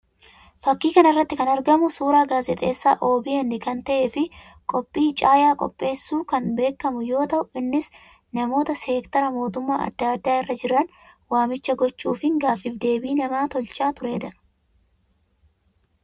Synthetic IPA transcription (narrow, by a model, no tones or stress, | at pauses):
fɐkːiːkɐnɪrːɐt̪ːɪkɐnɐɾɡɐmʊsuːɾaːɡaːzɛt̪ʼe̞̰ːsːa̰ːʔo̞ːbiːɛnːɪkɐnt̪ɐʔefɪ | kʼɔpʼːiːt͡ʃʼaːjaːkʼɔ̰pʼːe̞ːsːuːkɐnbe̞ːkːɐmʊjo̞ːt̪ɐʔʊɪnːɪs | nɐmo̞ːt̪ɐseːkt̪ɐɾɐmo̞ːt̪ʊmːaːɐ̰d̪ːaːd̪ːaːɪrːɐd͡ʒɪɾɐn | waːmɪt͡ʃːɐɡɔt͡ʃːuːfɪŋɡaːfɪfd̪e̞ːbiːnɐmaːt̪ɔlt͡ʃʼaːt̪ʊɾe̞ːd̪ɐ